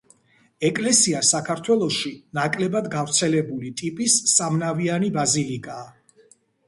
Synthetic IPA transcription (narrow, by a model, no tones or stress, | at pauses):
ɛkʼlɛsiasakʰaɾt̪ʰwɛlˠɔʃinakʼlɛbad̪ɡavɾt̪sʰɛlɛbulit̪ʼipʼisːamnavianibazilikʼaː